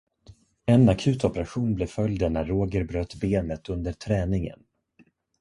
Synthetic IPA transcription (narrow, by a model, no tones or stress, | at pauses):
ɛnakʰʉ̟ːt̪ɔpɛɾaɧuːnblɛfœljd̪ənæːoːɡəɾbɾøːt̪beːnət̪ɵnd̪əʈʰɾɛːnɪŋə̰n